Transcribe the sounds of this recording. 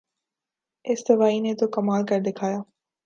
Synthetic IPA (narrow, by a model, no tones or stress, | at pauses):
ɪsd̪ɐʋaːinet̪okɐmaːlkɐɾd̪ɪkʰaːjaː